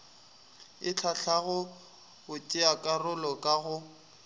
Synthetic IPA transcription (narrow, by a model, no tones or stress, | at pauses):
ɪt͡ɬʰaɬʰaɣʊ | bʊt͡ʃʼɪakʼarʊlɔkʼaɣʊ